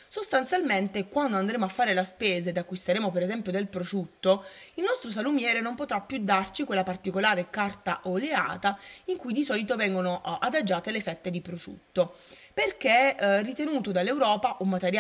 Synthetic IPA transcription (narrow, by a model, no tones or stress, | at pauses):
sost̪ant̪sjalment̪ekwand̪oand̪ɾeːmoafːaːɾelaspeːzed̪akːwist̪eɾeːmopeɾezɛmpjod̪elpɾosut̪ːoilnɔst̪ɾos̬alumjɛːɾenompot̪ɾapːjud̪ːart͡ʃikwelːapart̪ikolaːɾekart̪aʔolea̰ːt̪aiŋkujd̪isɔːlit̪ovɛŋɡonoʔad̪ad͡ʒːaːt̪elefɛt̪ːed̪ipɾosṵt̪ːo | perk̟erːit̪enuːt̪od̪alːewɾɔːpaʔomːat̪eɾja